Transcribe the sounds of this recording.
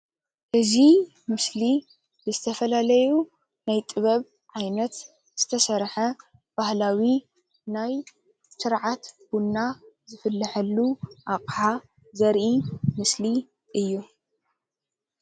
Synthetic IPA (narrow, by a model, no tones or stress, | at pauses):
ʔɨzi | mɨsli | bɨzɨt̪ʰɐfɐlalɐju | najt̪ʼɨβɐβ | ʕajnɐt̪ | z̥ɨt̪ʰɐsɐɾħɐ | b̥ahlawi | naj | sɨɾʕat̪b̥unːa | zɨfɨlːɨħɐlːuʔaqʼħa | zɐɾʔimɨsli | ʔɨjːu